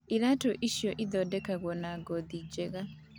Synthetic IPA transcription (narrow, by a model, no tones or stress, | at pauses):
iɾatoʔiʃjɔʔiðɔdɛkaɣɔnaɡɔðid͡ʒɛɣa